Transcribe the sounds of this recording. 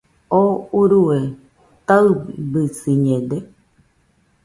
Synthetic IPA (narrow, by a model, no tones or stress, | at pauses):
ouɾue | t̪aɯbisiɲẽd̪e